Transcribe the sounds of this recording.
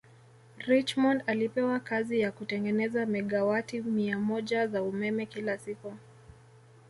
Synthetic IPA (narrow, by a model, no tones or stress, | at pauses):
ɾit͡ʃmɔndalipɛwakazijakutɛŋɡɛnɛzamɛɠawatimiamɔʄazaumɛmɛkilasiku